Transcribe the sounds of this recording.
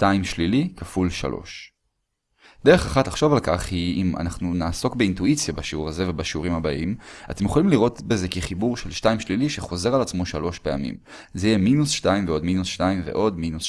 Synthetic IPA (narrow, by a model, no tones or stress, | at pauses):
ʃtajimʃlilikafulʃa̰lʔo̞̰ʃ | d̥̪e̞ʁe̞χaχatlaχʃo̞valkaχhiima̰naχnunaːso̞kbe̞intuit͡sjabaʃeuʁaze̞ve̞baʃeuʁimhabaʔima̰t̪emjeχolimliʁo̞tbe̞ze̞kiχibuʁʃelʃtajimʃliliʃeχo̞ze̞ʁalat͡smoʃalo̞ʃpe̞a̰mḭm | zejeminusʃtaimveodminusʃtaimve̞̰ʔo̞dminus